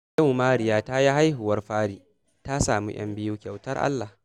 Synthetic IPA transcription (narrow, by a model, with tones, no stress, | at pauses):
ja˦˨wmaː˦ɽɪ˨jaː˦ta˦ji˦ɦa˦jɦʊ˨wɐ˦rɸaː˦ɽiː˨ | ta˦saː˨mḭ˦j̰ɐ̰˦mbɪ˦juː˦kʲa˨wtɐ˦rʔa̰˦lːa˨h